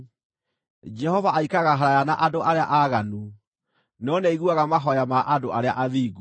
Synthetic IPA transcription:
d͡ʒɛhɔvaʔaikaɣaɦaɾajanaʔadoʔaɾeaʔaɣanu | nɔnɛiɣuaɣamaɦɔjamaʔadoʔaɾeaʔaðiːɡu

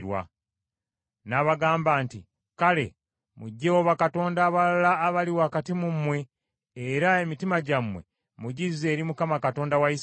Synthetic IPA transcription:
ɾwa̰ | naβaɡaːmbaːnti | kale̞̰ | muɟːewoβakato̞ːndaːβalalaːβaliwaːkatimumwe̞ː | ɾae̞mitimaɟamwe̞̰ | muɟize̞ːɾimukamakato̞ːndawais

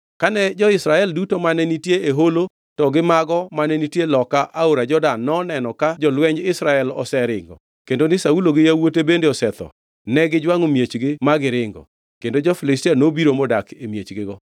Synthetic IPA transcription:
kanɛd͡ʒɔɪsɾaɛldutomanɛnitjeeɦolo | tɔɡɪmaɡɔmanɛnitjelɔkaʔaoɾad͡ʒɔdanːɔnɛnɔkad͡ʒɔlwɛɲd͡ʒɪsɾaɛlɔ̰sɛɾɪ̰ŋɡɔ̰ | kendonɪsauloɡɪjawotebendeɔsɛt̪ɔ̰ | nɛɡɪd͡ʒwaŋomjet͡ʃɡɪmaɡɪɾɪŋɡɔ̰ | kendod͡ʒɔfɪlɪstianobiɾomɔdakemjet͡ʃɡɪɡɔ

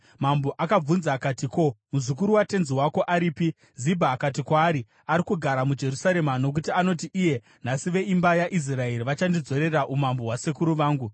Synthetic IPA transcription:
mamboʔakab͡vunzaːkatiko̞muzuk̬uɾuwate̞nziwako̞ʔaɾiːpi | zibʱaːkat̬ikwaːɾi | aɾikuɡʱaɾamud͡ʒe̞rusaɾe̞mano̞k̬utiano̞tiʔije̞ | n̤asiʋe̞imbajaʔis̬rae̞ɾiʋat͡ʃandid͡zo̞ɾe̞raʔumambo̞ɦwasekuɾuʋaːŋɡu

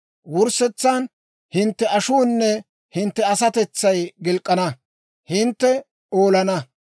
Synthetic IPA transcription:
wʊɾsɛt͡sːaːn | hɪnt̪ːɛʔɐʃuːnːɛ | hɪnt̪ːɛɐsɐt̪ɛt͡sːɐjɡɪlkʼːɐnɐ | hɪnt̪ːɛ | oːlɐnɐ

